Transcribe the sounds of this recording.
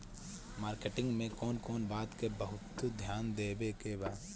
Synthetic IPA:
maːɾkeʈɪ̃ŋɡmẽkɔːnkɔːnbaːt̪kebəɦʊt̪d̪ʱjaːnd̪eːbekebaːd̪

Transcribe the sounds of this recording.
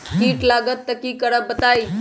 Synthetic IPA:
kiːʈlaɡət̪ːəkiːkəɽəbət̪ai

